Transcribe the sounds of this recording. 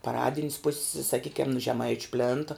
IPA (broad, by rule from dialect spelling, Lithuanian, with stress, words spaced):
pɐˈrɑːdʲɪnʲs pʊsʲs sɐˈkʲiːkʲɛm nʊ ʒʲɛˈmɐɪt͡ʃʲ ˈpʲlʲeːntɐ